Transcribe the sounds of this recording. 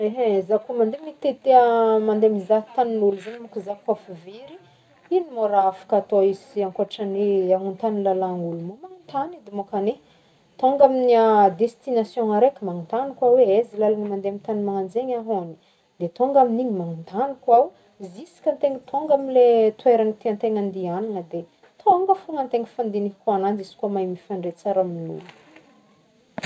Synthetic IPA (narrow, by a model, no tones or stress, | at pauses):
eɦezakumand̪emit̪et̪eəmand̪emizaɦi̥t̪aninulzanimukizakafiveɾi | inimoɾaafḁkat̪oiziaŋkoaʈ͡ʂaniaŋunt̪anilalaŋɡulumumaŋint̪anid̪emokane | t̪oŋɡaminiad̪est̪inasjɔ̃aɾekʲimaŋint̪anikwaweezilalanimand̪eamint̪animaŋand͡zeɲaɦoni̥ | d̪̥et̪oŋɡaminiɲimaŋint̪anikwaw | zisi̥kʲənt̪eŋət̪ʰoŋɡamilet̪weɾanit̪eant̪eŋand̪iananəd̪e | t̪ʰoŋɡəfuŋənt̪eŋifand̪inikanand͡zisi̥kuamajmifaɳɖ͡ʐet͡saɾaminṵlu